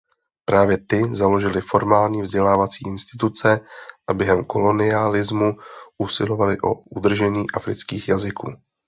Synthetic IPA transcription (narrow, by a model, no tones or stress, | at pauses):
pɾʔaːvjɛt̪ɪzalo̞ʒɪlɪfo̞ɾmaːlɲiːvzɟɛlaːvat͡siːʔɪnst̪ɪt̪ut͡sɛʔabjɛɦɛmko̞lo̞nɪalɪzmuʔusɪlo̞valɪʔo̰ud̪r̩ʒɛɲiːʔafɾɪ̰t͡skiːxjazɪkuː